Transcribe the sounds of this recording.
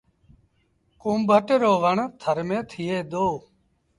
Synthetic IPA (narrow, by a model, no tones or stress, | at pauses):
kumbʱəʈɾoːʋəɳt̪ʰəɾmẽːt̪ʰieːd̪oː